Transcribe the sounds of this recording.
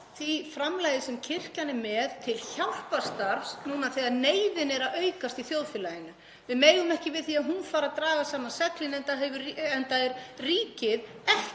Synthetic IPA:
θvifɾamlaːjðɪsɛmcʰɪr̥canɪmɛðt̪ʰɪlçawl̥past̪aɾvsnuːnaθɛɣaðneːjðɪnɛɾaœɥkast̪iθjowðfɪːlajɪnʏ | vɪðmeːjðʏmɛhcɪvɪðθiaðɦunfaːɾaðt̪ɾaːɣasaːmansɛklɪnɛnt̪aðɦɛvʏɛnt̪aɛɾriːcɪðɛh

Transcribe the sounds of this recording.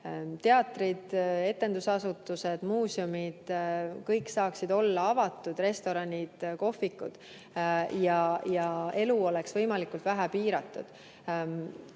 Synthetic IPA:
t̪e̞ɑt̪ːˑrid̪̥e̞t̪ːˑe̞nd̪usɑsut̪ːˑuse̞d̪̥muːsumid̪̥kɤjksɑːksid̪o̞lːɑɑvɑt̪ːˑud̪̥re̞st̪o̞ɾɑnʲid̪̥ko̞fːikːṵd̪̥ | jɑjɑe̞luo̞le̞ksvɤjmɑlikːˑult̪væɦæpiːɾɑt̪ˑːṵd̪̥

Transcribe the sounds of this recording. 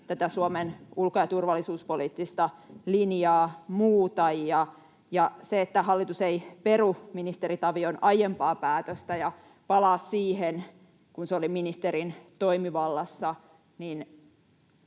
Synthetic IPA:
t̪æt̪æsuomenulkojɑt̪urʋɑlːisuːspoliːt̪ːist̪ɑlinjɑːmuːt̪ɑjiɑ | jɑseet̪ːæhɑlːit̪useiperuminist̪eɾit̪ɑʋionɑjempɑːpæːt̪øst̪æjɑ | pɑlɑːssiːɦen | kunseoliminist̪eɾint̪o̞imiʋɑlːɑsːɑ | nin

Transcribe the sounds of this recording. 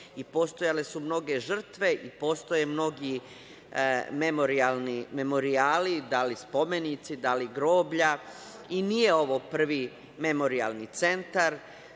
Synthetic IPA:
ipo̞ːst̪o̞jale̞sumno̞ɡe̞ʒr̩t̪ʋe̞ʔipo̞ːst̪ojemno̞ɡi | memoɾialnime̞mo̞ɾiaːlid̪alispo̞me̞nit̪sid̪aliɡɾo̞ːbʎa | inijeo̞ʋo̞pr̩ʋi | me̞mo̞ɾia̰lˠnit̪se̞nt̪aɾ

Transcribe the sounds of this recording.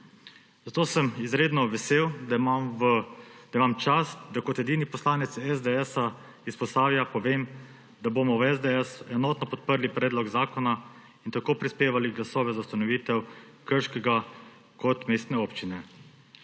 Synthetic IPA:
zat̪oːsəmizɾeːd̪nɔʋɛseːwd̪ | d̪̥aimamt͡ʃasd̪akɔt̪ɛd̪iːnipɔslaːnɛt̪sɛzd̪eɛsa | ispɔst̪aːwjapɔʋeːm | d̪aboːmɔwɛzd̪eɛsɛnɔːt̪nɔpɔt̪̚pəɾlipɾɛːd̪lɔɡzaːkɔna | int̪akoːpɾispeːʋaliɡlasɔːʋɛzaust̪anɔʋiːt̪ɛw | kəɾʃkɛɡa | kɔt̪meːst̪nɛoːpt͡ʃinɛ

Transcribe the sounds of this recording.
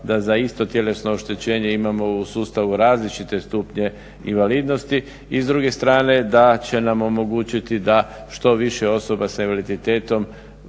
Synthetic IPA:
d̪azaist̪o̞t̪je̞le̞sno̞ːʃt̪e̞t͡ɕe̞ːɲe̞imamo̞usuːst̪aʋuɾaːzlit͡ʃit̪e̞st̪upɲe̞ | inʋaliːd̪no̞st̪i | izd̪ɾuɡe̞st̪ɾaːne̞d̪at͡ɕe̞namo̞mo̞ɡuːt͡ɕit̪id̪a | ʃt̪o̞ʋiʃeo̞so̞basainʋalid̪it̪e̞ːt̪o̞m

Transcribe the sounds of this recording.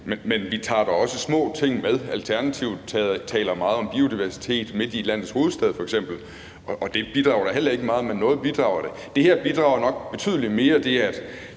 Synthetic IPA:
menmenʋit͡sʰɑ̰̈ːɾ̥ɑɒ̽səsmɔ̰̽ːt͡sʰe̝ŋ̰með̞ˠælt͡sʰæɐnæt͡sʰiʊ̰ð̥ˠt͡sʰt͡sʰɛ̰ːlɐmɑ̈ːð̩ˠɒ̽mb̥io̝d̥iʋæɐsi̥t͡sʰe̝̰ːd̥me̝d̥ilæn̰ð̩ˠsho̝ːð̩ˠsd̥ɛð̞̩ˠfɒ̽eɡ̥sem̰b̥l̩ | ɒ̽ʔɒ̽d̥e̝b̥id̥ʁɑ̈ʊɐɾ̥ɑ̈ɦel̰ɐe̝ɡ̥əmɑ̈ːð̞̩ˠmenːɔ̽ːð̞̩ˠb̥id̥ʁɑ̈ʊɐɾ̥e̝ | d̥e̝heɐ̰b̥id̥ʁɑ̈ʊɐnɒ̽ɡ̥̚b̥e̝t͡sʰy̰ð̞ˠəlime̝ːɐd̥e̝æɐæd̥

